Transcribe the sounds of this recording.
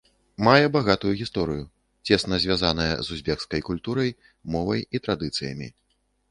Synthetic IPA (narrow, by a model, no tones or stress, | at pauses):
majɛbaɣat̪ujuɣʲist̪ɔɾɨju | t͡sʲɛsnɐzʲvʲazanɐjɐ̰zuzʲbʲɛkskɐjkulʲt̪uɾɐj | mɔvɐjit̪ɾad̪ɨt̪sɨjɐ̰mʲḭ